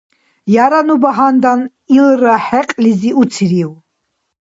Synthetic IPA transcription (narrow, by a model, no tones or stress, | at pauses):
jaɾanubaɦand̪an | ilɾaħɛqʼliziut̪sʰiɾiw